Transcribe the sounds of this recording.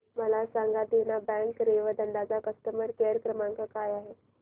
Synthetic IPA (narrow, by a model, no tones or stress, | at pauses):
məlasãŋɡad̪enabɛ̃ŋkɾeʋəd̪əɳɖ̪ad͡zakəst̪əməɾkeəɾkɾəmãŋkakaːjaːɦe